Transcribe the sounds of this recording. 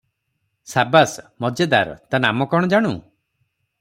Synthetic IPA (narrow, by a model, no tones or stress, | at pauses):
sabasmɔd͡ʒad̪aɾɔ̰t̪anamɔkɔɽ̃ɔd͡ʒaɽ̃u